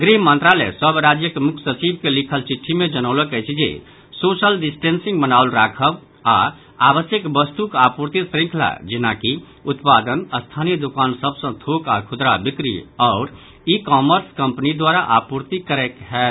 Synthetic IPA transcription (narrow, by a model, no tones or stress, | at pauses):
ɡɾimənt̪ɾalɛ̰səbɾad͡ʒjəkemukʰsət͡ʃibkelikʰəlt͡ʃiʈʰːimed͡ʒənəʊləkɛjt͡ʃʰid͡ʒḛ | sosəlɖisʈensĩŋɡbənaulɾakʰəb | a̰ | abəsjəkbəst̪ukapuɾt̪isɾĩŋkʰla̰d͡ʒinaki | ut̪pad̪ənəst̪ʰanijəd̪ukansəbsə̃t̪ʰokakʰud̪ɾabikɾḭɔʊɾ | ikɔməɾskəmpnid̪waɾaʔapuɾt̪ikəɾɛkɦɛ